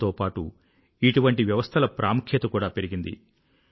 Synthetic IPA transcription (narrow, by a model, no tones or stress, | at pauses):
t̪oːpaːʈu | iʈuʋɐɳʈiʋjɐʋɐst̪ʰɐlɐpɾʔaːmukʰjɐt̪ɐkuːɽaːpe̞ɾiɡind̪ḭ